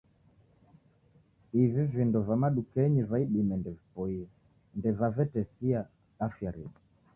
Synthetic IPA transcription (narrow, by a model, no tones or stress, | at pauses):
ivivindɔvamaɗukɛɲivaiɗimɛndɛvipɔiɛ | ndɛvavɛtɛsia | afjaɾɛ̰ɗi